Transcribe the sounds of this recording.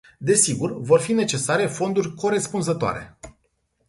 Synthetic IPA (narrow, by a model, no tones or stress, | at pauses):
d̪e̞siɡurvo̞rfine̞t͡ʃe̞saɾe̞fo̞nd̪urʲko̞ɾe̞spunzət̪oa̰ɾe̞̰